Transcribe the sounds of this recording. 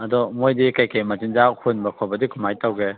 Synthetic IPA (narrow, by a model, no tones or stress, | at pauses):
ɐdɔmojdikajkematinzahunbɐkʰɔbɐdikʰumajtawɡe